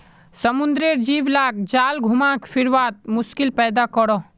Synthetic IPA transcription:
səmʊ̃nd̪ɾeɾd͡ʒiːʋlaːk̚d͡ʒaːlɡʱʊmãːkfʰɪɾʋaːt̪̚mʊskɪlpɛːd̪akɔɽoː

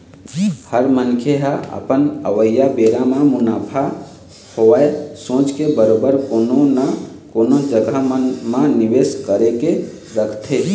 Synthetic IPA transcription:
həɾmənkʰeɦaə̰pənə̰ʋəjːabeɾamãmunapʰa | hoaesõt͡ʃkebəɾobəɾkonon | konod͡ʒəɡəmmãniʋeskəɾeke | ɾəkʰt̪ʰe

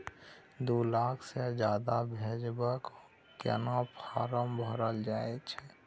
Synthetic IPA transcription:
d̪olaːkʰsed͡ʒjaːd̪abʱed͡ʒbək | kḛnãpʰaːɾəmbʱəɾəld͡ʒaːet͡ʃʰɛ

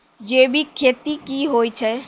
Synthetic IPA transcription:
d͡ʒeːbʱikʰeːt̪ikiɦoːit͡ʃʰɛ

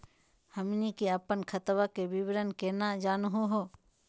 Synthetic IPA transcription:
həmnikeəpənkʰət̪ʋakebɪbɾənkenad͡ʒaːnɦuɦoː

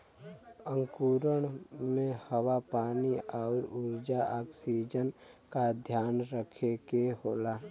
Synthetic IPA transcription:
ə̃ŋkuːɾəɽ̃mẽhəwapaːniɔːʊɾʊɾd͡ʒaʔaːksid͡ʒənkad̪ʱjaːnɾəkʰekeɦoːlaː

